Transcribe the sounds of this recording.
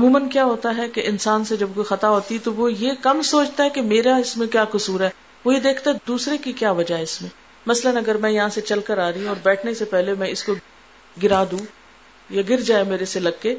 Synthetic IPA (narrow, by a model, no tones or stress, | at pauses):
ɐmũːmənkjaːɦoːt̪aɦɛkeʔɪnsaːnsed͡ʒɐb̚koːixɐt̪aɦoːt̪iɛt̪oʋojekɐmsoːt͡ʃt̪aɦɛkemeːɾaɪsmẽkjaːkʊsuːɾɦɛː | ʋoɦid̪eːkʰt̪aɦɛd̪uːsɾekikjaːʋɐd͡ʒaɦɛɪsmẽ | mɐslənɐɡəɾmɛ̃jɐɦãset͡ʃɐlkəɾaːɾɐɦĩɔːɾbɛːʈʰnesepɛɦlemɛ̃ɪsko | ɡɪɾaːd̪ũ | jaɡɪɾd͡ʒaːjameːɾeselɐɡkːeː